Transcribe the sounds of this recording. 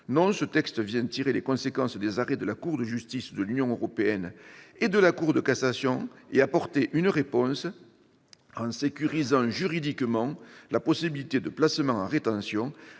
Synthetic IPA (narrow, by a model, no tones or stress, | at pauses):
nɔ̃sət̪ɛkst̪əvjɛ̃t̪iʁelekɔ̃sekɑ̃sd̪ezaʁɛd̪əlakuʁd̪əʒyst̪isd̪əlynjɔ̃øʁɔpeɛned̪əlakuʁd̪əkasasjɔ̃eapɔʁt̪eʔynʁepɔ̃s | ɑ̃sekʲyʁizɑ̃ʒyʁid̪ikmɑ̃lapɔsibilit̪ed̪əplasəmɑ̃ɑ̰̃ʁet̪ɑ̃sjɔ̃